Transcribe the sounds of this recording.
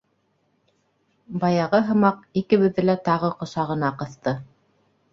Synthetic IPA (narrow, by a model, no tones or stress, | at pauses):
bɑjɑʁɤɦɤ̆mɑq̚ikɘ̆βɘ̆ðːɘlæt̪ɑʁɤqŏʃɑʁɤ̆nɑqɤ̆θt̪ɤ